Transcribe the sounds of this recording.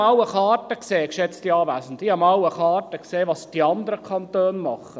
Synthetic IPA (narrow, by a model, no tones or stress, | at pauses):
ɑʊwəχɑːtəkseːkʃɛt͡stiɑːvæːsn̩tihɑmɑwəχɑːtəkseːʋɑsd̥iɑnd̪əɾəkʰɑntøːnmɑχə